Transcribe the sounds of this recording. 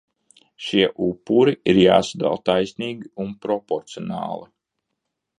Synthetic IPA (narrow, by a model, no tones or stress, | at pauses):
ʃiɛʔupːuɾiiɾja̰ːsad̪a̰lˠt̪ajsʲniːɡiunpɾɔpɔɾt̪sijɔnɑ̰ːlˠi